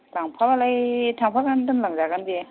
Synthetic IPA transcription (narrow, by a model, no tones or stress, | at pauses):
laŋpʰalalajtʰaŋpʰalɡandɯmlaŋzaɡande